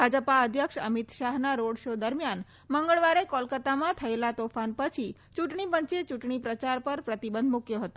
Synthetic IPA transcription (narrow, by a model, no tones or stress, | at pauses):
bʱad͡ʒəpaəd̪ʱjəkʃə̰mit̪ʃaɦnaɾoɽʃod̪əɾmjan | məŋɡəɭʋaɾekɔlkət̪amãt̪ʰəelat̪ofanpət͡ʃʰi | t͡ʃuʈɳipəɲt͡ʃet͡ʃuʈɳipɾət͡ʃaɾpəɾpɾət̪ibə̃nd̪ʱmukjoɦət̪o